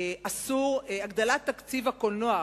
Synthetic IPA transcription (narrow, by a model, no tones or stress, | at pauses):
ʔasuʁaɡd̪alat̪ːakt͡sivakolnoa